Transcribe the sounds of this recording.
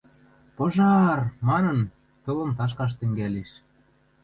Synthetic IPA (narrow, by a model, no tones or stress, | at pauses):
poʒɑrmɑnɤ̆n | t̪ɤ̆lɤ̆mt̪ɑʃ̬kɑʃ̬t̪ɘ̆ŋɡæleʃ